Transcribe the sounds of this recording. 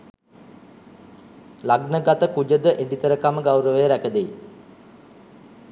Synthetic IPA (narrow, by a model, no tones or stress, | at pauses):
laɡnəɡat̪əkud͡ʒəd̪əʔeɖit̪əɾəkaməɡawɾəʋəjəɾækəd̪ej